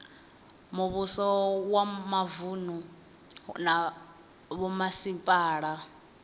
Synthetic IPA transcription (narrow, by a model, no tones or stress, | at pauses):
muβusɔwamavunu | na | βɔmasimpʼaːɺa